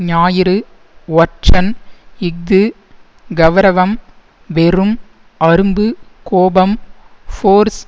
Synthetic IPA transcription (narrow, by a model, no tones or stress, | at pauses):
ɲaːjɪɾɯ | ʋɐʈt͡ʃɐnɪɡ̚d̪ɯ | ɡɐʋɐɾɐʋɐm | ʋɛrɯm | ɐɾɯmbɯkoːbɐmfoːɾs